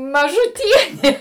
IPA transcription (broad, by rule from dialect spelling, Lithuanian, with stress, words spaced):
mɐʒʊˈtʲiɛnʲeː